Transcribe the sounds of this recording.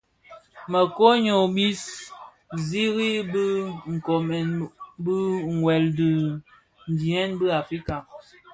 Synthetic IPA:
mə˨ko˦ɲo˨bi˦s | zi˦ɣi˦bə˦ŋ̩˨ko˨mɛ˨nbə˦ŋ˨wɛ˨ldə˨ | n˨di˨ɛ˦nbə˦a˨fɾi˦ka˨

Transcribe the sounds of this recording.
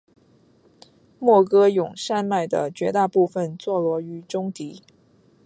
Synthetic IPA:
mwɔ˥˩kɤ˥jʊ˨˩ŋʂa˥˧nma˥˩ɪd̪ə̰˩t͡ɕɥɛ˧˥t̪a˥˧pu˥˩fə˨˩nt͡swɔ˥˩lwɔ˧˥y˧˥ʈ͡ʂʊ˥ŋt̪i˧˥

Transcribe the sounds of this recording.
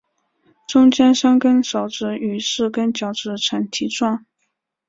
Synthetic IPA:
ʈ͡ʂʊ˥ŋt͡ɕjɛ˥nʂɑ˥ŋkə˥nʂo˧˩ʊʈ͡ʂɻ̩˧˥y˨˩ʂɻ̩˥˩kə˥nt͡ɕjɑ˨˧˥ʊʈ͡ʂɻ̩˧˥ʈ͡ʂʰə˧˥nt̪ʰi˧˥ʈ͡ʂwɑ˥˩ŋ

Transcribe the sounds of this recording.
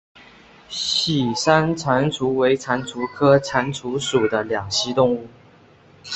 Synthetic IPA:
ɕi˨˩sa˥nt͡sʰa˧˥nʈ͡ʂʰu˧˥we˧˥ɪt͡sʰa˧˥nt͡sʰu˧˥kʰɤ˥t͡sʰa˧˥nʈ͡ʂʰu˧˥ʂu˨˩d̪ə˦ljɑ˨˩ŋɕi˥t̪ʊ˥˧ŋu˥˩

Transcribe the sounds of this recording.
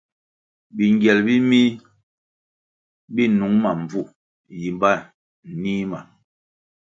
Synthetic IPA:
bi˨ŋɡjɛ˨lbi˦mi˦ | bi˦nu˨˦ŋma˨m˨b͡vu˦˨ | ji˨mba˦˨ | niː˦ma˨

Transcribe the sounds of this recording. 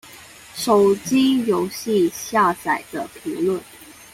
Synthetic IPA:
ʂo˨˩ʊt͡ɕi˥jo˧˥ʊɕi˥˧ɕja˥˩t͡sa˨˩ɪd̪̥ə˦pʰi˧˥ŋlwə˥˩n

